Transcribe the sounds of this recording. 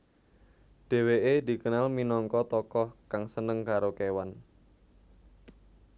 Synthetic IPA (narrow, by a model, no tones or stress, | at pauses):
d̥e̤weʔedi̤kənalminɔŋkɔt̪ɔkɔhkaŋsənəŋkaɾokewan